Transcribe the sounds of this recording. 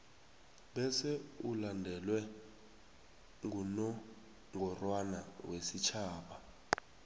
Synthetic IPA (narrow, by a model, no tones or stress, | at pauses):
ɓɛsɛulandʱɛlwɛ | ŋunɔ | ŋʱɔrwanawesit͡ʃʰaːɓa